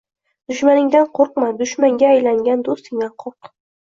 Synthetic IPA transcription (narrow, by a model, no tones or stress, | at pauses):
d̪̥ʊʃmanɪŋd̪anqʰoɾqmad̪ʊʃmaŋɡʲaːjlaŋɡʲand̪ost̪ɪŋd̪aqʰoɾq